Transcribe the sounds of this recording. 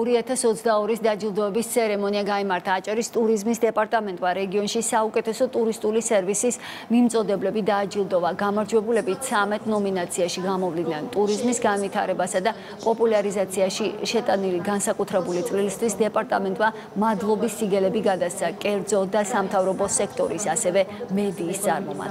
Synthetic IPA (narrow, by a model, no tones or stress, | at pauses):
ɔɾiat̪ʰasɔt̪sʰd̪aɔɾisd̪ad͡ʒilˠd̪ɔɛbist̪sʰɛɾɛmɔniaɡaimaɾt̪ʰaːt͡ʃʼaɾist̪ʼuɾizmisd̪ɛpʼaɾt̪ʼamɛnt̪ʼmaɾɛɡiɔnʃisaukʼɛt̪ʰɛsɔt̪ʼuɾist̪ʼulisɛɾvisis | mimt̪sʼɔd̪ɛblɛbid̪aːd͡ʒilˠd̪ɔvaɡamaɾd͡ʒwɛbulɛbit̪̚t̪sʰamɛt̪ʼnɔminat̪sʰiaʃiɡamɔvlinant̪ʼuɾizmisɡanvit̪ʰaɾɛbasad̪a | pʼɔpʼulˠaɾizat̪sʰiaʃiʃɛt̪ʼanilɡansakʼut̪ʰɾɛbulit̪sʼlilist̪ʰwisd̪ɛpʼaɾt̪ʼamɛnt̪ʼma | mad̪lˠɔbisːiɡɛlɛbiɡad̪ast̪sʰakʼɛɾd̪zɔd̪asamt̪ʰavɾɔbɔsɛkʰt̪ʼɔɾisasɛvɛmɛd̪iːst̪sʼa̰ɾmɔma̰d̪